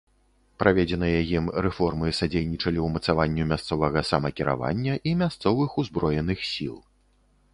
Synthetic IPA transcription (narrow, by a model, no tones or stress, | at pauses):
pɾavʲed͡zʲɛnɨjɐjimɾɛfɔrmɨsad͡zʲejnʲit͡ʂɐlʲiwmɐt̪savanʲːumʲast̪sɔvɐɣɐsɐmɐkʲiɾa̰va̰nʲːɐʔimʲast̪sɔvɨxuzbɾɔjɛnɨxsʲilˠ